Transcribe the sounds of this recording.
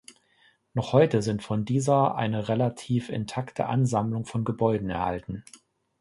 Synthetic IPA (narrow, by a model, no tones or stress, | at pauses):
nɔχhɔʏtəzɪntfɔndiːzɐʔa̰ɪnəʁelatʰiːfɪ̰ntʰaktʰə̰ʔa̰nzamlʊŋfɔnɡəbɔʏdn̩ɛ̰ɐha̰ltn̩